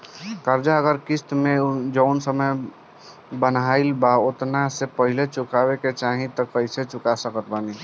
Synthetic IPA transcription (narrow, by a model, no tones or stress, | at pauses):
kəɾd͡ʒaəɡəɾkist̪mẽd͡ʒəʊnsəməj | bənailbaot̪nasepəɦilet͡ʃukabeket͡ʃaɦĩt̪ɔkəɪset͡ʃukasəkət̪bani